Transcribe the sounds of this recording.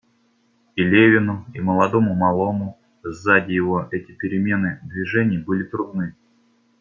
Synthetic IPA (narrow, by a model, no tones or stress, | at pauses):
ilʲevʲɪnʊiməlˠɐd̪o̞mʊmɐlˠo̞mʊ | zːadʲɪjɪvo̞ʔɛtʲɪpʲɪɾʲɪmʲe̞nɨd̪vʲɪʐɛnʲɪjəbɨlʲɪt̪ɾʊd̪̚nɨ